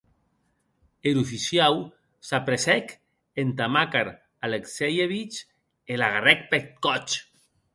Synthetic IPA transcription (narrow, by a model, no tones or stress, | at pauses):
eɾufisjaw | sapɾesɛk | ent̪amakaɾ | aleksejeβit͡ʃ | elaɣarɛk̚pet̪kɔt͡ʃ